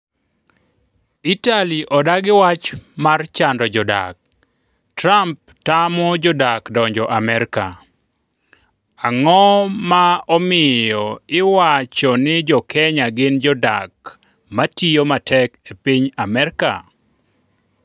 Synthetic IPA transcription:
italiʔɔdaɡɪwat͡ʃmart͡ʃandɔd͡ʒɔda̰k̚ | tramp̚tamɔd͡ʒɔdakdɔɲd͡ʒɔʔamɛɾka̰ | aŋɔmaɔmɪjɔɪwat͡ʃɔnɪd͡ʒɔkʰɛɲaɡɪnd͡ʒɔda̰k | matijomatʰɛkepiɲamɛɾka̰

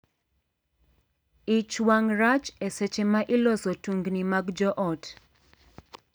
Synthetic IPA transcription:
it͡ʃwaŋrat͡ʃesɛt͡ʃemaʔɪlɔsɔtuŋɡnimaɡd͡ʒɔʔɔt

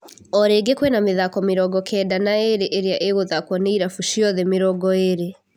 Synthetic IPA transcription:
ɔɾeːɡekwɛnameðakɔmeɾɔɡɔkʰɛːdanaeɾeʔeɾeaʔeɣoðakwɔneiɾafuʃiɔðɛmeɾɔɡɔeɾe

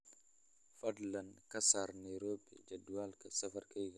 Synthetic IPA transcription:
fɐdlɐnkɐsaɾnaɾoːbɛ̰d͡ʒɐduwalkɐsɐfɐɾkajɡa

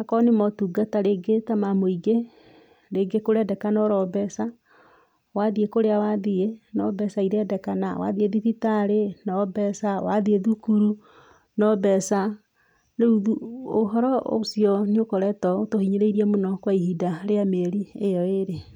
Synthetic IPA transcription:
nakɔnemɔtuɡataɾeɡetamamoiɡe | ɾeɡekoɾɛdɛkanɔɾɔbɛsa | waðiekoɾeawaðienɔbɛsaiɾɛːdɛkanawa̰ðieðiθitaɾenɔbɛsawaðieðukuɾu | nɔbɛsa | neuðuoɦɔɾɔosiɔniokɔɾɛtɔotohiɲeɾeiɾiamonɔkwaihidaɾeameɾiejɔeɾe

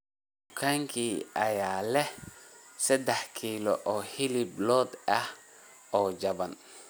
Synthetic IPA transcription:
dd̪ʊkʰaŋkʰiːɐjaːlɛ | sɐd̪ɛħkʰiːlɔ̰ʔɔːhilɪblɔːd̪ɐh | ɔːd͡ʒɐβɐn

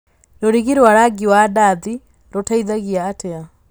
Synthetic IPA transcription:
noɾiɣiɾwaɾaɡiwadaði | ɾotaiðaɣiaːtea

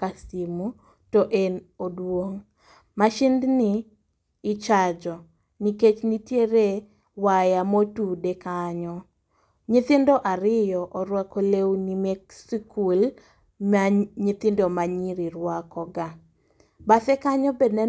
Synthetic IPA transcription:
kasimu | toʔenodwoŋ | maʃɪndniː | t͡ʃad͡ʒɔ | niket͡ʃnitjeɾe | wajamotudekaɲɔ | ɲit̪ɪndɔʔaɾɪjɔʔɔɾwakolewnimeksikʰul | maɲit̪ɪndɔmaɲiɾiɾwakɔɡa | baθɛkaɲɔbednɛ

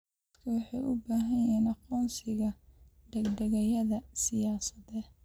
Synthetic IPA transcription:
d̪ | ɐd̪kʰɐwɑħɑjʔʊbaːɦɐjɛːnɑqɔːnsɪɣɐ | ɖ̪ɛɡɖɐɣɐjɐðɐsɪjaːsɐðɛːd̪

